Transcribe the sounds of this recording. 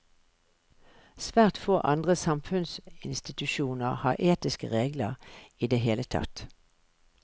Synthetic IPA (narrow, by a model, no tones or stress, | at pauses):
sʋæːʁt̪foːʔɑnd̪ʁəsɑmfʉnsɪnst̪ɪt̪ʉʃuːnəʁhɑ̰ːʁʔeːt̪ɪskə̰ʁeːɡləʁiːd̪eːɦeːlət̪ʰɑ̰t̪